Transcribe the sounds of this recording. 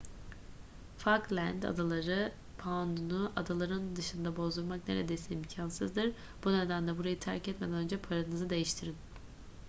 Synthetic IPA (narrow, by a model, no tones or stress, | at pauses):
faklʲænd̪a̰d̪alˠaɾɯ | pʰand̪unuʔad̪alˠaɾɯnd̪ɯʃɯnd̪abo̞zd̪uɾmakne̞̰ɾed̪e̞jsiimcʰansɯ̰zd̪ɯɾ | b̥uned̪ænlʲɛbuɾajɯt̪ʰæɾcʰɛt̪me̞d̪ænø̞nd͡ʒɛpʰaɾanɯzɯd̪e̞jiʃt̪ʰiɾin